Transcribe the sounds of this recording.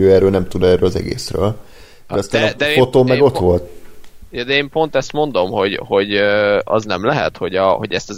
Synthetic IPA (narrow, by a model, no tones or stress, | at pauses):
øːɛrːøːlnɛmt̪ud̪ɛːrːøːlɒzɛ̰ɡḛːsrø̰ːl | d̪ɛst̪aːnd̪ɛfot̪oːmːɛɡo̞t̪ʋo̞lt̪̚jɑd̪ɛeːmpo̞nt̪ɛst̪mo̞nd̪o̞mho̞ɟho̞ɟøɒ̰znɛmlɛɦɛ̰t̪ho̞ɟɒho̞ɟɛst̪ɒz